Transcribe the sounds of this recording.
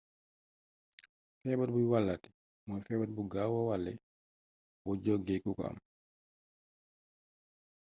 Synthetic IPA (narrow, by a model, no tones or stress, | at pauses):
fɛːbat̚bujwalːati̥ | mɔjfɛːbat̚buɡawawalːɛ̰ | wɔd͡ʒɔɡɛkukɔ̰a̰m